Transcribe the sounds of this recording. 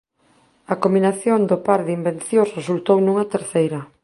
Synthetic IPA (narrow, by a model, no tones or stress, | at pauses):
ɐkominaθjond̪opaɾðimbenθjosresult̪ownũŋɐt̪eɾθejɾɐ